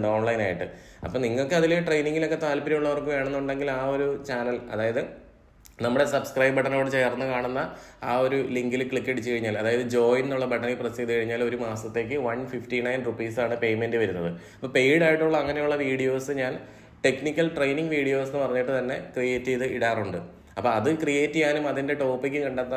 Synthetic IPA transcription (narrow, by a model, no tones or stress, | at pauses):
ɖoːɳlɐjnaːjiʈːɨ̰ | ɐ̰pːoːniŋːɐɭokːeɐðiloʈrejniŋɡilo̞kːe̞t̪aːlpɐɾɐjuɭːɐʋɐrkːɨʋeːɳɐnːuuɳɖe̞ŋɡilaːo̞ɾut͡ɕaːnɐlɐ̰ðaːjɐðɨ | nɐmːuɽe̞sɐbskrɐjbbɐʈːɐno̞ːɽet͡ɕejɐrnːɨkaːɳunːɐ | aːo̞ɾuliŋɡilkɭikːɐʈit͡ɕːɨkɐɻiɲːaːlɐðaːjɐðɨd͡ʑo̞ːjnnuɭːɐbʱɐʈːɐnikːprɐsid̪ikɐɻiɲːaːlo̞ɾumaːsɐt̪ːe̞ːkːɨʋɐnfifʈinɐjnrupiːsaːɳɨpe̞jme̞ndɨʋɐɾunːɐðɨɐpːoːpe̞jɽaːjiʈːuɭːɐɐŋːɐnejuɭːɐʋiːɽijo̞ːsɨɲaːn | ʈe̞knikʲːɐlʈrejniŋɡʋiːɽijo̞ːsenːɨpɐrɐɲːiʈːɨt̪ɐnːe̞krijeːtːiðɨiɽaːruɳɖɨ | ɐpːoːɐðɨkrijeːtːijaːnumɐðinde̞ʈo̞ːpːikʲːɨkɐɳɖat̪ːɐ